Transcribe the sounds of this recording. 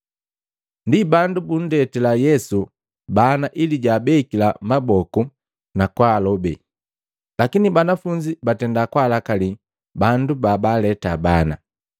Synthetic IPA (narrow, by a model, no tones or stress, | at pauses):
ndibandubun̩dɛtɛlajɛsu | banaʔiliɟaːbɛkilamabɔku | nakwalɔbɛ̰ | lakinibanafuɲd͡ʒibatɛndakwalakali | bandubabalɛtabana̰